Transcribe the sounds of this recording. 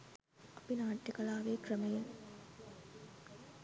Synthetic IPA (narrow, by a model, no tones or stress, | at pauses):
ɐpinaːʈːɐkɐlaːʋeːkrəmejeŋ